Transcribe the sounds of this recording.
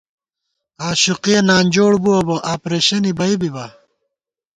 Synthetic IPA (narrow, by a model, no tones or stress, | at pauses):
aːɕuqienaːnʲd͡ʑoːɽbuɐbɐʔaːpɾeːɕɐnibɐibibɐ